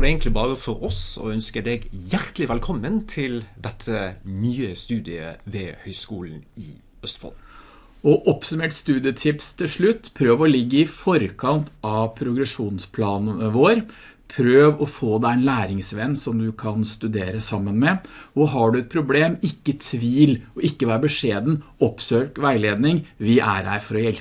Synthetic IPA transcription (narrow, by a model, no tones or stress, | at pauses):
ɖɛɛːɡnk̪tlɪbɑːʁəfɔɾɔsɔ̰œnskəɖeːɡjæɾt̪lɪʋɛlkʰɔmːənt̪ʰɪld̪ɛt̪ʰːənyːəst̪ʉːd̪ɪə̰ʋɛhœʏskuːln̩ɪ | œst̪fɔ̰l | ɔʔɔpsʉmeːʈst̪ʉːd̪ɪət̪ʰɪpst̪ʰɪlʂɭʉt̪ːpʰɾøːʋəɔlɪɡːəɪfɔɾəkʰɑnt̪ʰɑʋpʰɾʊɡɾɛʂuːnspʰlɑːnəəʋoːɾ | pʰɾøːʋɔfoːd̪æɪnlæːɾɪŋsʋɛnːsɔmd̪ʉkʰɑnst̪ʉd̪eːɾəsɑmːənmɛɔɦɑɖʉɛt̪̚pʰɾʊbleːmɪkːət̪ʰʋiːlɔɪkːəʋæːɾbəʂeːd̪n̩ɔpsøːkʋæɪleːd̪nɪŋʋɪʔæ̰ɾæɾfɔɾɔjɛlp